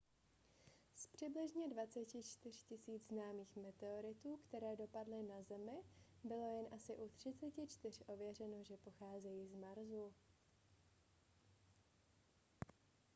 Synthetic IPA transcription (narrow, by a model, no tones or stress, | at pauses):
spr̝̥ɪblɪʒɲɛdvat͡sɛcɪt͡ʃt̪ɪr̝̥cɪsiːd͡zznaːmiːxmɛt̪ɛoɾɪt̪uːkt̪ɛɾɛːdo̞padlɪnazɛmɪbɪlo̞jɛnʔasɪʔut̪r̝̥ɪt͡sɛcɪt͡ʃt̪ɪr̝ʔo̞vjɛr̝ɛno̞ʒɛpo̞xaːzɛjiːzmaɾzu